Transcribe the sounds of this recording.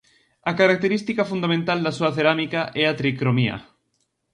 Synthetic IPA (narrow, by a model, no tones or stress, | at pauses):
ɐkaɾak̚t̪eɾist̪ikafund̪amẽnt̪ald̪asuɐθeɾamikaʔɛat̪ɾikɾomiɐ̰